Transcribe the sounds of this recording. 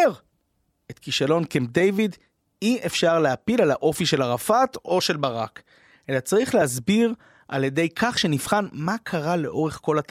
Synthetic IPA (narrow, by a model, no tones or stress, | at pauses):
ʁ | et̪kiʃalo̞nkemdejvid | iefʃaʁleapilalaʔo̞fiʃe̞laʁafat̪o̞ʃe̞lbaʁak | ʔe̞lat͡saʁiχleazbiʁ | ʔa̰ljede̞jkʰaχʃe̞nifχanmakʰaʁale̞ʔo̞ʁeχko̞lat̪